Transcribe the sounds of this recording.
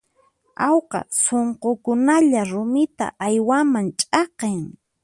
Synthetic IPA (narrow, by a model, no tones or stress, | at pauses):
ɑwqɑ̰soɴqokʊnaʎaɾʊmɪt̪a̰ʔajwamaŋt͡ʃʼɑqeŋ